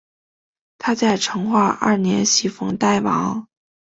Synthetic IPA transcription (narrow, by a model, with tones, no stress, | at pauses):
t̪ʰa˥t͡sa˥˩ɪʈ͡ʂʰɤ˧˥ŋxwa˥˧ʔɐ̰˥˩njɛ̰˧˥nɕi˧˥fɤ˧˥ŋt̪a˥˩ɪwɑ̰˧˥ŋ